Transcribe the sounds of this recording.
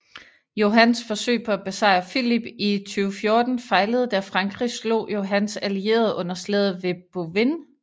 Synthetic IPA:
jo̝ɦænsfɒ̽sø̰ːpʰɒ̽æb̥esɑ̈ɪ̰ɐfilib̥it͡sʰyːʊfjo̝ɐd̥n̩fɑ̈ɪləð̞̩ˠd̥æɐfʁɑ̈ŋɡ̥ʁislo̝̰ːjo̝ɦænsælie̝̰ːɐðˠʔɔ̽n̰ɐsleð̞̰ˠʋe̝b̥oʋen

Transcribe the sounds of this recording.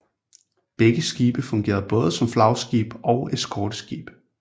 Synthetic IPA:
b̥eɡ̥əsɡ̥iːb̥əfɔ̽ŋɡ̥e̝̰ːɐðˠb̥ɔ̽ːð̞ˠəsɒ̽mflɑ̈ʊsɡ̥ḭːb̥ɒʊed̥skʰɒːd̥əsɡ̥ḭːb̥

